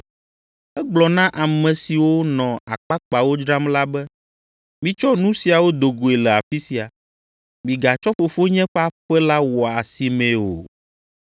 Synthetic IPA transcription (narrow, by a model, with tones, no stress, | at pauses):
ɛ˦ɡ͡blɔ˨nã˦ʔa˨mɛ̃˨si˨wo˦nɔ̃˨a̰˨k͡pa˦k͡pa˨wo˦d͡ʒɾa˦mla˦bɛ˦ | mĩ˦t͡ʃɔ˦nũ˦si˨a˨wo˦d̪o˨ɡo˨e˨lɛ˨a˨fi˦si˨a˨ | mĩ˨ɡa˨t͡ʃɔ˦fo˨fo˦ɲɛ̃˦ɸɛ˦a˦ɸɛ˦la˦wɔ˨a˨si˨mɛ̃˨o̰˨